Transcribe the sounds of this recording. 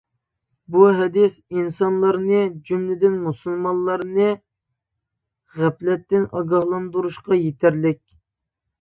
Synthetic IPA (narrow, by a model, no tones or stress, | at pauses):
buɦɛd̪ɪsinsɑnlˠɑɾnɨd͡ʒymlɪd̪ɪnmusulˠmɑnlˠːɑɾnɨ | ʁæplɛt̪ːɪnʔɑɡɑhlˠɑnd̪uɾuʃqɑjet̪ʰæɾlɪkʲ